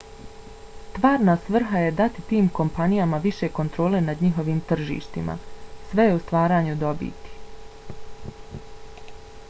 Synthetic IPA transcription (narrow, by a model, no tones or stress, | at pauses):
st̪ʋaːɾnaːsʋr̩ɦaje̞d̪at̪it̪iːmko̞mpanijamaʋiʃe̞ko̞nt̪ɾo̞ːle̞nad̪ɲiɦo̞ʋiːmt̪r̩ʒḭːʃt̪ima̰sʋe̞jeust̪ʋaːɾaːɲud̪o̞bḭːt̪i̥